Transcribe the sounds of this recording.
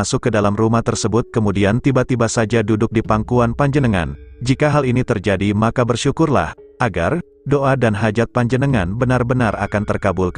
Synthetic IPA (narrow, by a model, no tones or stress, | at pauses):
asʊkːədalamrumaht̪ərsəbʊt̪̚kəmudiant̪ibat̪ibasad͡ʒadudʊk̚dipaŋkuanpaɲd͡ʒənəŋa̰nd͡ʒikaɦalinit̪ərd͡ʒadimakabərʃukʊrla̰h | ʔaɡa̰r | doʔadanɦad͡ʒat̪̚paɲd͡ʒənəŋanbənarbənara̰kant̪ərkabulk